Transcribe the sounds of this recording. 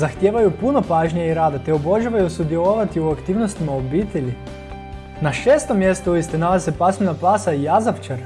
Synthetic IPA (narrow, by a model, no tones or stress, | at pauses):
zaxt̪jeːʋajupuno̞paːʒɲeiɾaːd̪at̪eoboʒaʋajusud̪jelˠoʋat̪iuakt̪iːʋno̞st̪imaobiːt̪e̞ʎi | naʃeːst̪o̞mːje̞st̪uuist̪enalazesepasmenapasaijazapt͡ʃaɾ